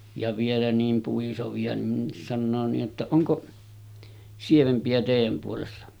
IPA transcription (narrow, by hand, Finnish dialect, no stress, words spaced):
jɑ ʋielæ niːm puisoʋiɑ nin sɑnːoː niːʔ ʔetːæ oŋko sieʋempiæ teˑijæm puolesːɑ